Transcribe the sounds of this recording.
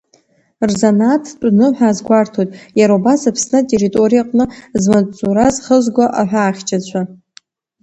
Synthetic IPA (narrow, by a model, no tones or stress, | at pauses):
rzanatʰt͡pʷʼnɨħʷᶣaːzɡʷartʰojtʼjaɾaubasapʰsnɨtʼeɾitʼo̞ɾijaqʼnɨzmat͡sʼuɾazχəzɡʷaʔaħʷᶣaːχʲt͡ʃʰʼat͡ɕʷʰa